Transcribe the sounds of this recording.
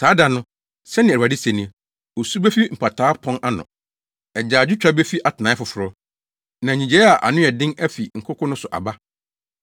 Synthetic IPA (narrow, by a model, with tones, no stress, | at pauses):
saː˨˦da˨nʊ̃˦ | sɛ˦nɪ̃˨a˨dɪ˦sɛ˨nĩ˦˨ | o˨su˦bɛ˦fi˦m̩˨pʰa˨tʰaː˨˦pʰɔ̃˦nʔa˦nʊ̰̃˨ | ɛ˨d͡ʑaː˨d͡ʑᶣɪ˦t͡ɕᶣɾa˦be˦fi˦ʔa˨tʰɪ˨nã˨˦ɪ˦fʊ˨fʊ˨ɾʊ˦ | nã˨ɲĩ˨d͡ʑe˨˦ɛ˦a˨ʔa̰˨nʊ̃˦ɛ˨dɪ̃˦ŋæ˦fi˨ŋ̩˨kʰʊ˦kʰʊ̃˦nʊ̃˦sʊ˨ʔa̰˨ba˦